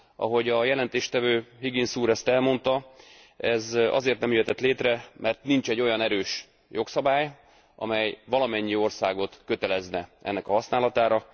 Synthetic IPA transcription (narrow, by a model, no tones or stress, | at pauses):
ʔɒ̰ɦo̞ɟɒjɛlɛnt̪eːʃt̪ɛvøːɦiɡinsuːɾɛst̪ɛlmo̞nt̪ɒ | ɛzɒ̰zeːrt̪nɛmjyjɛt̪ɛt̪leːt̪rɛmʔɛrt̪nint͡ʃɛɟːo̞jɒnɛɾøːʃ | jʔo̞ksɒbaːj | ʔɒ̰mɛjvɒlɒmɛɲːio̞rsaːɡo̞t̪kø̞t̪ɛlɛznɛʔɛ̰nːɛkɒɦɒsnaːlɒt̪aːɾɒ